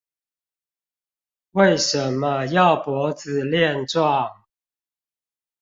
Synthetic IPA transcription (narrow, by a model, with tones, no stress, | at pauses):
we˥˨ɪʂə˨˦nːə˦jɑ˥˨ʊpwɔ˨˥˦t͡sɹ̩˨˩ljɛ˥˨nʈ͡ʂwɑ˥˨ŋ